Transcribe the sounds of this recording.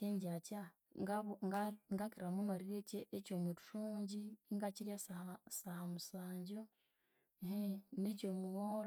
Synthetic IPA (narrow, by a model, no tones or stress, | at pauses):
eɲɟaca | ɡaɡŋɡakiɾamumaɾieceʔecomuɾu̥ʃuːɲɟiŋɡaciɾjassahamusaːɲɟo | ɦenecomuwoɾ